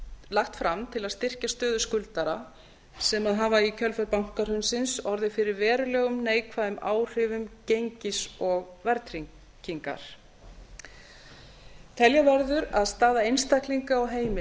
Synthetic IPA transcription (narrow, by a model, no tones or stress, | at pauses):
laxt̪fɾamt̪ʰɪlaðst̪ɪr̥cast̪œːðʏskʏlt̪aɾa | sɛmaðɦaːvaicʰœlfœɾpawŋ̥kar̥ʏnsɪnsɔɾðɪfɪɾɪɾvɛːɾʏlɛːɣʏmneːjkʰvaðʏmaːwr̥ʏvʏmcejɲcɪsɔɣvɛɾt̪ɾiŋ | ciŋka̰ɾ̥ | t̪ʰɛljavɛɾðʏɾaðst̪aːðaejnst̪akliŋkaɔɣɦeːjmɪ